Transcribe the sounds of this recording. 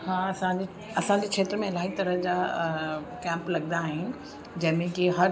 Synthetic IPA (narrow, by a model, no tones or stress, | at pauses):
hãːɐsãd͡ʑe | ɐsãɲd͡ʑeːkʰʃʰeːt̪ɾəmẽɪlaːɦit̪ɐɾəɦd͡ʑaː | kɛ̃ːmplɐɡnd̪aːɦɪnɪ | d͡ʑɐ̃ɦɪ̃mẽkiɦɐɾ